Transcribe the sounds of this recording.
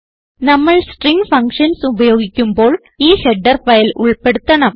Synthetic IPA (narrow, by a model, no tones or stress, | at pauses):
nɐmːɐɭsʈriŋɡfɐŋkʂɐnsubɐjo̞ːɡikʲːumbo̞ːɭ | iːheɖːɐrfɐjɐluɭpe̞ɽut̪ːɐɳɐm